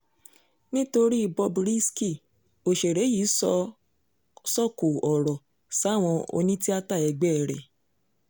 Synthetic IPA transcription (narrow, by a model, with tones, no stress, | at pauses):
nĩ˦to˧ɾi˦i˧˨bɔ˧bɾi˦ski˦˨ | o˨ʃe˨ɾe˨˦jiː˨˦sɔ˧ | sɔ˦˨ko˨ɔ˨ɾɔ˨ | sa˨˦˨w̃ɔ̃˧o̰˧nĩ˦ti˦a˦ta˦˨ɛ˧ɡ͡bɛ˦ɛ˨ɾɛ̰˨